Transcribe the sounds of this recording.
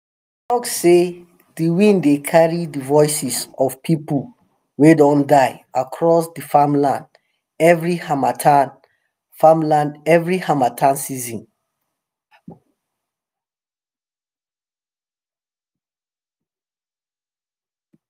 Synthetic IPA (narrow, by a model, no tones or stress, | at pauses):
tɔkse | dəwĩndekʰaɹidəvɔɪsisɔv̥pʰipəl | wedɔ̃ndaɪakʰɹɔsdəfãmlãnd | ɛvɹihamatʰan | fãmlãndɛvɹihãmatʰãnsizɔ̃n